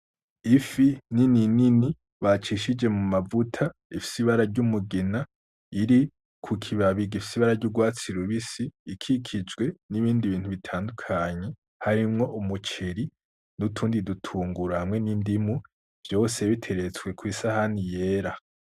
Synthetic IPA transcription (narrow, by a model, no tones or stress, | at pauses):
ifinininini | βat͡ʃiʃid͡ʒe̞mumavutʰaifi̥siβaɾaɾɟumuɡina | iɾi | kʰukʰiβaβiɡifisiβaɾaɾɟuɡwaːt͡siɾuβisiːkʰikʰid͡ʒɡwe̞niβiːndiβiːnthuβitʰaːndukʰaɲe̞ | haɾimŋo̞ʔumut͡ʃe̞ɾi | nutʰuːndidutʰuːŋɡuɾahamŋe̞nindimu | v̥jo̞ːseβitʰe̞ɾe̞t͡swe̞kwisahanije̞ːɾa